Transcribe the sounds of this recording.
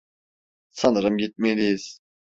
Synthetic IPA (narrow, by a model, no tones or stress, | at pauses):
sanɯɾɯmɟit̪̚melʲijiz̥